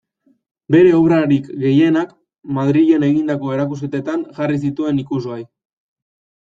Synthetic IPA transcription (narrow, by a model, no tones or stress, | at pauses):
be̞ɾe̞oβɾaɾikɡe̞je̞nak | maðɾiʎe̞ne̞ɣind̪ako̞e̞ɾakusket̪e̞t̪anʝaris̬it̪ue̞nikusoaj